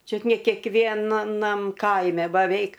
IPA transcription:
ˈt͡ʃʲʊt nʲɛ kʲɛkˈʋʲiɛnɐnɐm ˈkɐɪmʲɛ bɐˈʋʲɛɪk

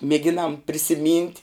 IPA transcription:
mʲeːˈɡʲɪnɐm pʲrʲɪsʲɪˈmʲiːnʲtʲ

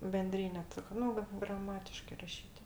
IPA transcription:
bʲɛnʲˈdʲrʲiːnʲɛ ˈtʲɪk ˈnʊ ʋɐt ɡrɐˈmɑːtʲɪʃkɜ ˈrɑːʃʲiːtʲ

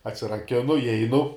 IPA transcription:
ɐtʲsʲɪrɐˈkʲɪnʊ ɪˈɛɪnʊ

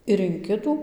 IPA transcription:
ɪr ɪn ˈkʲɪtuː

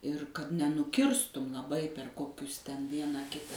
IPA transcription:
ɪr kɐt nʲɛnʊˈkʲɪrstʊm lˠɐˈbɐɪ pʲɛr ˈkoːkʲʊs tʲɛn ˈʋʲiɛnɑː ˈkʲɪtɐ

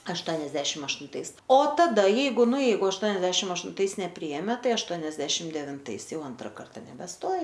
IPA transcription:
ɐʃˈtoːnʲɛzʲdʲɛʃʲɪm ɐʃtʊnˈtɐɪs oː tɐˈdɐ ˈjɛɪɡʊ ˈnʊ ˈjɛɪɡʊ ɐʃˈtoːnʲɛzʲdʲɛʃʲɪm ɐʃtʊnˈtɐɪs nʲɛˈpʲrʲiːeːmʲɛ ˈtɐɪ ɐʃˈtoːnʲɛzʲdʲɛʃʲɪm dʲɛʋʲɪnˈtɐɪs ˈjɛʊ ˈɐntrɐ ˈkɐrtɐ nʲɛbʲɛˈstoːjɪ

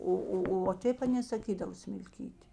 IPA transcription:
ˈoː ˈoː oː ʋɐ ˈtʲeːp ɐˈnʲeː sɐˈkʲiːdɐʋoː sʲmʲɪlʲˈkʲiːtʲɪ

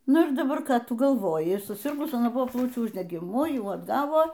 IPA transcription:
ˈnʊ ɪr dɐˈbɐr ˈkɑː ˈtʊ ɡɐlˠˈʋoːjɪ sʊˈsʲɪrɡʊs ɐˈnɐ ˈbʊʋoː ˈplˠɐʊt͡ʃʲuː ʊʒʲdʲɛɡʲɪˈmʊ ˈjuː ɐdˈɡɑːʋoː

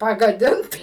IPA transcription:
pɐɡɐˈdʲɪnt

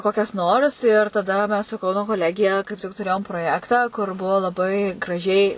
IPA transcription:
ˈkoːkʲɛs noːrs ɪr tɐˈdɐ mʲɛs sʊ ˈkɐʊnoː koːˈlʲæːɡʲɪjɛ kɐɪp tʲɪk tʊˈrʲeːjoːm proːˈjæːktɑː kʊr ˈbuɔ lˠɐˈbɐɪ ɡrɐˈʒʲɛɪ

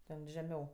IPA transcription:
tʲɛn ʒʲɛˈmʲɛʊ

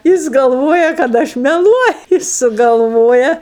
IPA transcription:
ˈjɪs ɡɐlˠˈʋoːjɛ kɐt ˈɐʃ mʲɛˈlˠuɔjʊ ˈjɪs sʊɡɐlˠˈʋoːjɛ

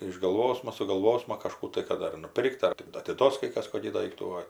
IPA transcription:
ɪʒɡɐlˠˈʋoːsmɐ sʊɡɐlˠˈʋoːsmɐ kɐʃˈkuː tɐɪ ˈkɐt ɐr nʊˈpʲɪrkt ˈɐr tʲɪ ɐtʲɪˈduɔs kɐɪ ˈkɐs ˈkoːkʲiː ˈdɐɪktuː oː

